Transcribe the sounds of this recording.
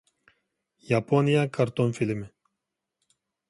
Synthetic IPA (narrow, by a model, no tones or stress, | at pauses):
japonijakʰaɾt̪onfilme